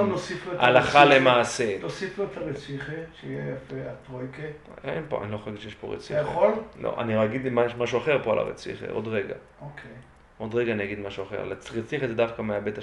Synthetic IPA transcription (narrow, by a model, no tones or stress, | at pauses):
nosifuetʔalaχalemaːselosifuet̪aʁet͡siχeʃeijejafeat̪ʁojke | enpo̰a̰niloxoeɡit̪ʃejeʃpo̞̰ʁḛt͡sḭaχollo̰ʔa̰niojaɡid̪imamaʃuaχe̞ʁpoalʔa̰ʁḛt͡sḭχḛʔo̞̰dʁeɡa̰ | okʰej | o̞dʁeɡaːnijaɡid̪maʃuaχeʁ̰lat͡sʁet͡siχezedafkameabet̪a